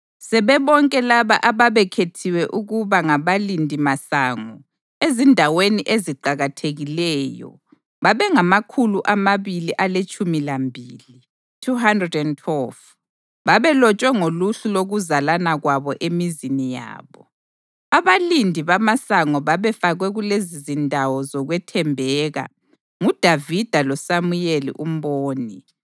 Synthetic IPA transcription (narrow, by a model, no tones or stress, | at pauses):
sɛβɛβɔŋkʼɛlaβaʔaβaβɛkʰetʰiwɛʔuɣuβaŋaβalindʱimasaŋɔ | ezindʱaweniʔeziǃaɣatʰeɣilɛːjɔ̰ | βaβɛŋamakʰuluʔamaβiliʔalet͡ʃʼʰumilambʱiːli | tʰuɦandrɛdɛntʰwɛlf | βaβɛlɔt͡ʃʼwɛŋoluɬuloɣuzalanaɣwaβɔʔemizinija̰ːβɔ | aβalindʱiβamasaŋɔβaβɛfaɣwɛɣulezizindʱawɔzɔɣwɛtʰɛmbʱɛɣa̰ | ŋud̥ʱavid̥ʱalɔsamujelḭʔum̩βoːni